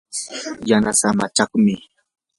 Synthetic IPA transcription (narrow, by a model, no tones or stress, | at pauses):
janasamat͡ʃakmɪ